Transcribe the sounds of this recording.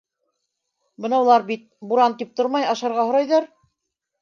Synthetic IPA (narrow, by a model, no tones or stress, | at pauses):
bɤ̆nɑulˠɑɾbit̪̚buɾɑnt̪ip̚t̪oɾmɑjɑʃɑɾʁɑhŏɾɑjðɑɾ